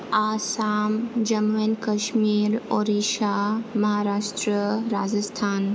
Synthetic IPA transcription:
aːsaːmd͡ʒɐmenkɐʃmiːɾoːɾiʃaːmɐɦaːɾaːʃt̪ɾəɾaːd͡ʒəst̪ʰaːn

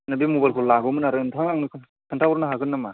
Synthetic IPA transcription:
nabimubajlkʰɔllaɡɯmɯnaɾɯntʰaŋaŋnɯkʰɯ | kʰɯntʰawɔɾnaɦakʰɯnːama

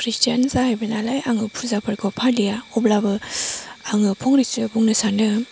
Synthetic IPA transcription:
kʰɾistijanzaɦajbɯnalajʔaŋɯpʰuzapʰɯɾkʰɔpʰalijaɔblabɯ | aŋɯpʰɔŋɾisɯbɔŋnɯsanɯ

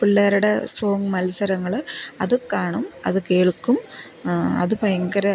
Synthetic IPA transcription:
piɭːaːɾuɽeso̞ːŋɡmɐlɐsɐɾɐŋːɐɭɐðɨkaːɳumɐ̰ðɨkeːɭkːum | ɐ̰ðɨpɐjɐŋɡɐɾɐ

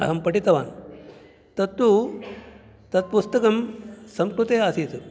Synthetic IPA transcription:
ɐ̰ɦɐmpɐʈit̪ɐʋa̰ːn | t̪ɐt̪ːu | t̪ɐt̪̚pust̪ɐkɐmsɐmkɾut̪eːaːsiːt̪u

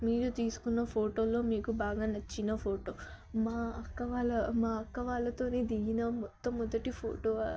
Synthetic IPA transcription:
miːɾut̪iːsu̥kunːɐpʰo̞ːʈo̞ːlo̞ːmiːkubaːɡaːnɐt͡ʃːinɐpʰo̞ːʈo̞ː | maːɐkːɐʋaːlɐmaːɐkːɐʋaːlɐt̪o̞ːneːd̪iɡinɐmɔt̪ːɐmːɔd̪ɐʈipʰo̰ːʈo̞ː

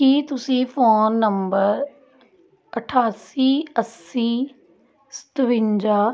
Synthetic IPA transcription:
kiːt̪ʊsĩːfoːnːəmbəɾ | əʈʰaːsiːəsiː | st̪ʋɪ̃ɲd͡ʒaː

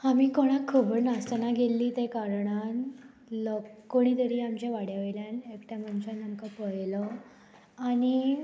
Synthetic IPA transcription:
amiːkoɽ̃akʰːəbəɾnast̪ənaɡʱelːiːt̪ekaɾɳan | ləkkːoɽ̃iːt̪əɾiːamt͡ɕjaʋaɽjaʋeljanekt̪jamənt͡ɕãnəmkapəɦlə | aɽ̃i

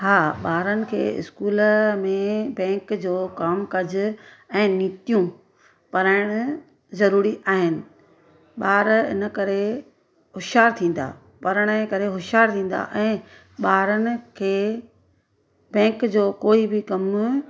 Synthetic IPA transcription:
ɦaːɓaːɾənɪ̆kʰḛːɪ̰skuːlmẽbɛ̃ːkd͡ʑoːkaːmkɐd͡ʑʊ̆ | ɛ̃ːniːt̪ijũ | pɐɾaːɪɽ̃ʊ̆ | zɐɾuːɾiʔaːɦɪnɪ̆ | ɓaːɾɪ̰nə̆kɐɾe | ɦʊʃaːɾt̪ʰĩːn̆d̪a̰ː | pɐɾəɽ̃əkɐɾeɦʊʃaːɾt̪ʰĩːn̆d̪a̰ʔɛ̃ː | ɓaːɾənɪ̆kʰeː | bɛ̃ːkd͡ʑoːkoːibɪkɐm

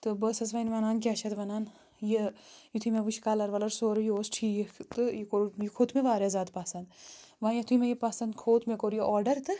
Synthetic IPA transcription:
t̪ɨbəsɐsʋɐjnʋɐnaːnk̬ʲaːt͡ʃʰɐt̪ʋɐnaːn | jejit̪ʰumeʋut͡ʃʰi̥kaːlɐɾʋɐlɐɾsoːɾjoːsʈʰijkt̪ɨjikoɾjikʰoːt̪ʰmeʋaːɾʲjɐzaːd̪paːsɐnd̪ʋãːjɐt̪ʰumejipasɐnd̪kʰoːt̪mekoɾjiʔɔːɾɖɐɾt̪ɨ

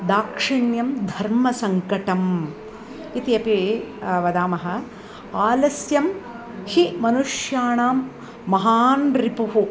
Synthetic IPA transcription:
d̪aːkʂiɳjɐmd̪ʱɐɾmɐsɐŋkɐʈɐm | it̪iɐpiʋɐd̪aːmɐɦɐ̆ | aːlɐsjɐm | himɐnuʂjaːɳaːmː | ɐɦaːnɾipuɦu

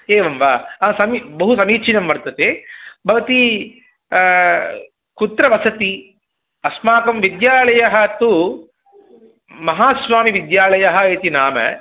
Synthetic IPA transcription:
eːʋɐmʋaːɐsɐmibɐɦusɐmiːt͡ʃʰinɐmʋɐɾt̪ɐt̪ebʱɐʋɐt̪i | kut̪ɾɐʋɐsɐt̪i | ɐsmaːkɐmʋid̪jaːɭɐjɐɦɐt̪u | mɐɦaːsʋaːmiʋid̪jaːɭɐjɐɦɐeːt̪inaːmɐ̰

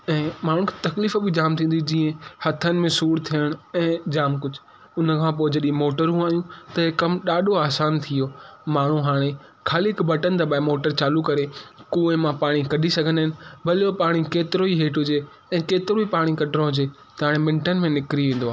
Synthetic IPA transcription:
ɛ̃ːmaːɽ̤ũkʰe̥t̪ɐkliːfbɪd͡ʑaːmt̪ʰĩːn̆d̪id͡ʑiːə̃hɐt̪ʰənɪ̆mẽsuːɽt̪ʰijəɽ̃ɛ̃ːd͡ʑaːmkʊd͡ʑʱʊ | ʊnəkʰãpoːɪed͡ʑɐɗĩẽmoːʈəɾɦũaːijũt̪ɐɦekɐmɗaːɗoaːsaːnt̪ʰijoːmaːɳ̤uɦaːɽ̃e | kʰaːliɪkbʱɐʈənɪ̆t̪ʰabaːɪmoːʈəɾt͡ɕaːlukɐɾekuːẽmãpaːɽ̃ikɐɗʱisɐɡʱənaːɦɪ̃nɪ̆bʱɐlijopaːɽ̃ikeːt̪ɪɾoiɦeːʈʊd͡ʑe | ɛ̃ːkeːt̪ɪɾoipaːɽ̃ikɐɖʱɾõɦʊd͡ʑe | t̪ɐɦaːɽ̃emɪ̃ɳʈənɪ̆mẽnɪkɾiʋĩːnd̪oaː

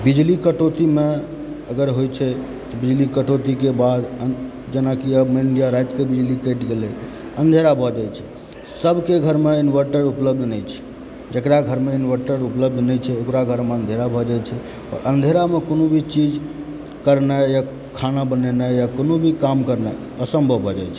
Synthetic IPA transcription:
bid͡ʒlikəʈot̪ime | əɡəɾɦojt͡ʃʰɛ | t̪ɔbid͡ʒlikəʈot̪ikebad̪ə | d͡ʒenakiəbmeiɳɖijaɾajt̪kebid͡ʒlikəʈɡele | ənd̪ʱeɾabʱɔd͡ʒɛt͡ʃʰɛ | səbʱkeɡʱəɾmeinʋəɾʈəɾupləb̚d̪ʱnəjt͡ʃʰɛ̥ | d͡ʒəkɾaɡʱəɾmeinʋəɾʈəɾupləb̚d̪ʱnəjt͡ʃʰɛokɾaɡʱəɾmeənd̪ʱeɾabʱɔd͡ʒajt͡ʃʰɛ | ɔ̰ɾʔənd̪ʱeɾamekonobʱit͡ʃid͡ʒ | kəɾnaja | kʰanabənɛnajakonobʱikamkəɾna | əsəmbʱəʋʱɔd͡ʒajt͡ʃʰɛ̥

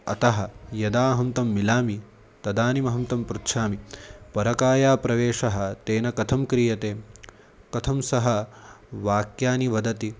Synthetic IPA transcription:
ɐ̰t̪ɐɦɐjɐd̪aːɦɐmt̪ɐmːilaːmi | t̪ɐd̪aːnimɐɦɐmt̪ɐmpɾut̪ːʃʰaːmipɐɾɐkaːjaːpɾɐʋeːʂɐɦɐ̆t̪eːnɐkɐt̪ʰɐmkɾijɐt̪eː | kɐt̪ʰɐmsɐɦɐʋaːkjaːniʋɐd̪ɐt̪i

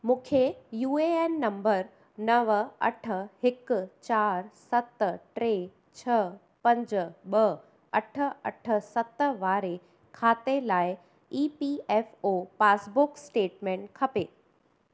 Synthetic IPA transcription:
mũːkʰejuːeeːnːɐ̃mbəɾ | nɐʋɐ̰ʈʰə̆hɪkʊ̆t͡ɕaːɾsɐt̪ʈɾeː | t͡ɕʰɐ | pɐ̃ɲd͡ʑɓɐ | ɐʈʰə̆ɐ̰ʈʰə̆sɐt̪ʋaːɾe | kʰaːt̪elaːɪ | iːpiːeːfopaːsbʊksʈeːʈmẽːɳʈkʰɐpeː

